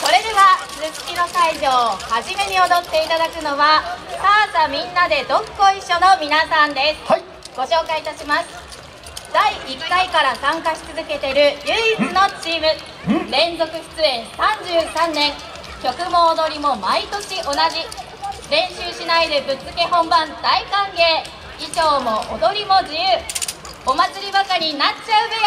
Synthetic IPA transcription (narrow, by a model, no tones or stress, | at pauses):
so̞ɾe̞d̪e̞βasɨɕi̥kʲino̞kaiʑo̞ːhaʑime̞ɲ̟io̞d̪o̞t̪ːe̞it̪ad̪akɯ̟no̞βasaːsamʲĩnːad̪e̞d̪o̞kːo̞iɕːo̞nomʲinasãnd̪e̞sɨ̥ | ɡ̥o̞ɕo̞ːkait̪aɕimasɨ̥ | d̪̥aiikːaikaɾasãŋkaɕi̥t͡sɨzɨke̞t̪e̞ɾɯ̟jɯ̟ːit͡sɨno̞t͡ɕiːmɯ̟ | ɾẽ̞nzo̞kɯ̟ɸɯ̥t͡sɨẽ̞ñsãɲ̟d͡ʑɨːsãnːẽ̞ŋ | kʲo̞kɯ̟mo̞ːd̪o̞ɾʲimo̞mait̪o̞ɕiʔo̞naʑi | ɾẽ̞ɰ̃ɕɨːɕinaid̪ebɯ̟t͡sɨke̞hõ̞mbãnd̪aikãŋɡe̞ː | iʑo̞ːmo̞ʔod̪o̞ɾʲimo̞d͡ʑijɯː | omat͡sɨɾʲibakaɲ̟inat͡ɕaɯ̟be